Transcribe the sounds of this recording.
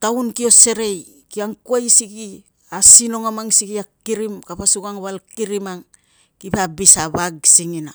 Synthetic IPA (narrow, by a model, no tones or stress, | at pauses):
tawnkio̞se̞ɾe̞j | kiaŋkuajsiki | asino̞ŋamaŋsikiakiɾimkapasuɡaŋβalkiɾimaŋ | kipabisaβaɡsiŋina